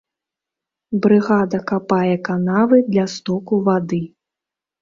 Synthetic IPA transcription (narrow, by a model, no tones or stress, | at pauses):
bɾɨɣad̪ɐkapajɛkanavɨd̪lʲast̪ɔkuvad̪ɨ